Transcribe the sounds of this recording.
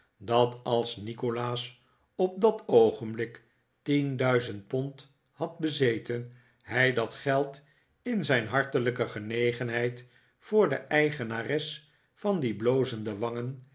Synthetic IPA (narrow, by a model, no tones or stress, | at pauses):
dɑtɑlˠsnikolaːs | ɔp̚dɑtowχəmblɪk | tindœɥzənt̚pɔnt | hɑd̚bəzejtən | ɦɛjdɑtχɛlˠt | ɪnzɛjnɦɑɹtələkəχənejχənɦɛjt | fʊːɹdə̰ʔɛjχənarɛs | fɑndiblowzəndəʋɑŋən